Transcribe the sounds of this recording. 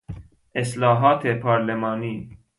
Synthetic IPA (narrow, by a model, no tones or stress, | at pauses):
ʔɪslɑːɦɑːt̪ʰepʰɑɾlɛmɑːniː